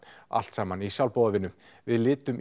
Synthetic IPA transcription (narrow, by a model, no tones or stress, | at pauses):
a̰l̥t̪saːmanisjawlpoːwðavɪnʏvɪðlɪːt̪ʏm